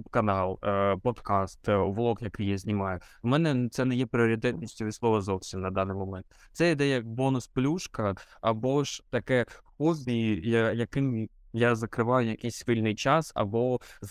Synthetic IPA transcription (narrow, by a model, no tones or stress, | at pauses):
pkɐnɑlˠpɔd̪kɑst̪ʋlˠɔkjɐkɪjazʲnʲɪmɑjʊmɛnɛt̪sɛnɛjɛpɾʲɪɔɾʲɪt̪̬ɛt̪ʲnʲisʲtʲʊislˠɔʋɐzɔwsʲinnɐd̪ɑnɪjmɐmɛnt̪ | t̪sɛɪd̪ɛjɐk̚bonʊsplʲuʂkɐɐbɔʂt̪ɐkɛpɔzʲbʲiijajɐkɪm | jazɐkɾɪʋajʊjɐkʲɪsʲfɪlʲnɪjt͡ʃasɐ̰bɔz